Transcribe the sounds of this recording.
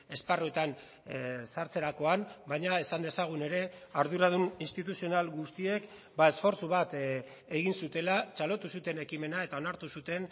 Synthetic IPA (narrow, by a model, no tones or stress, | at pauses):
e̞sparue̞t̪an | saɾt͡se̞ɾako̞ambajɲae̞sand̪e̞saɣ̞une̞ɾe̞aɾðuɾaðuninst̪it̪usio̞nalɣust̪ie̞k | bae̞sfo̞ɾt͡suβ̞at̪ | e̞ɣinsut̪e̞lat͡ʃalo̞t̪usut̪e̞ne̞kime̞nae̞t̪ao̞naɾt̪usut̪e̞n